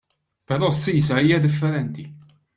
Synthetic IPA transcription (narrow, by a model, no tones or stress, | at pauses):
pɛɾɔːsːiːsɐiːjɐd̪ɪfːɛɾɛnt̪i